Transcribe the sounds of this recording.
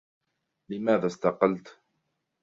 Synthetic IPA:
lɪmaːðaːst̪ɑqɑlt̪

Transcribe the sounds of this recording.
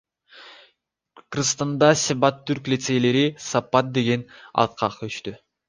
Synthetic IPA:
krst̪ɑnd̪ɑsʲibɑt̪ːyɾklʲit̪se̞jle̞ɾisɑpːɑt̪̚d̪e̞ɡenɑ̰t̪̚qʰɑqʰɯyʃt̪y

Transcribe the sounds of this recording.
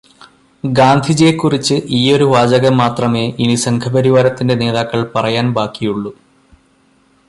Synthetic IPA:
ɡaːnd̪ʱid͡ʑekːurit͡ɕːɨʔiːo̞ɾuʋaːd͡ʑɐɣɐmːaːt̪rɐme̞ːʔinisɐŋkʰɐbɐɾiʋaːɾɐt̪ːinde̞ne̞ːðaːkːɐɭpɐrɐjaːnbaːkːijuɭːu

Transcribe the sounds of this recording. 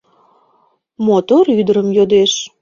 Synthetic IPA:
mot̪oɾyd̪əɾəmjod̪eʃ

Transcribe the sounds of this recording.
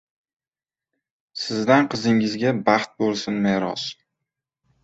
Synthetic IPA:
sɪzd̪anqʰɨzɪŋɪzɡʲabɑχt̪̚bolˠsɪnmeɾɒs

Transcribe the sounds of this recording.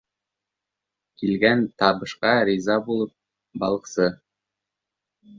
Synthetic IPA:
kilɡænt̪ɑβɤ̆ʃqɑɾʲizɑbulˠɤp̚ | bɑlˠɤ̆qsɤ

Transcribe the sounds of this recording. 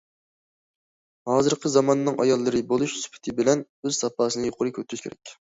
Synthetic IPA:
hɑːzɨɾqʰəzɑmɑnɨnɨŋɑ̰jɑlˠːɨɾɨbolˠuʃsy̥pʰɪ̥t̪ʰɪbɪlɛn | øz̥sɑpɑːsɨnɨjoqʰʊɾɨkʲʰøt̪ʰːyʃkʲʰḛɾɛ̰kʲ

